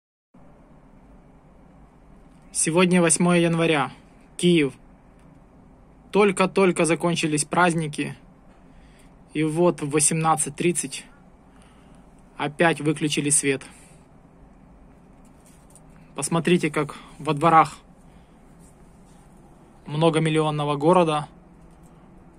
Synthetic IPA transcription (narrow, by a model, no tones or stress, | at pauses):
sʲɪvo̞dʲnʲəvɐsʲmo̞jəjənvɐɾʲa | kʲijɪf | t̪o̞lʲkət̪o̞lʲkəzɐko̞nʲt͡ɕɪlʲɪsʲpɾazʲnʲɪk̬ʲɪ | ivo̞t̪vəsʲɪmnat̪sɨt̚ʲt̪ɾʲit̪sɨtʲ | ɐpʲætʲvɨklʲʉt͡ɕɪlʲɪsʲvʲe̞t̪ | pəsmɐt̪ɾʲitʲɪkakvɐd̪vɐɾax | mno̞ɡəmʲɪlʲɪo̞nːəvəɡo̞ɾəd̪ə